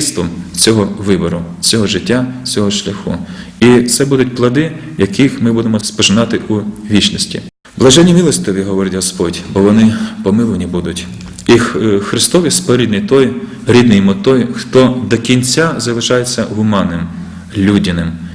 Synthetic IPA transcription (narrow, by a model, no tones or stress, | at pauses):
st̪ʋɔmt͡sʲɔɦɔʋɪbɔɾʊ | t͡sʲɔɦɔʒɪtʲːat͡sʲɔɦɔʃlʲɐxṵ | it̪sɛbud̪ʊtʲplˠɐd̪ɪjɐkʰixmɪbud̪emɔspɔʒɪnɑt̪ɪʔuʋʲit͡ʃnɔsʲtʲḭ | blˠɐʒɛnʲːimʲilˠɔsʲt̪ɔʋʲiɦɔʋɔɾɪtʲɦɔspɔdʲbɔʋɔnɪpɔmɪlˠʋnʲibud̪ʊtʲ | ixɾɪst̪ɔʋʲispɔɾʲid̪nɪjt̪ɔj | ɾʲid̪nɪjmɔt̪ɔjxt̪ɔd̪ɔkʲinʲt͡sʲazɐlˠɪʃɑjet͡sʲːɐ̰ɦʊmɑnːɪm | lʲudʲinɪm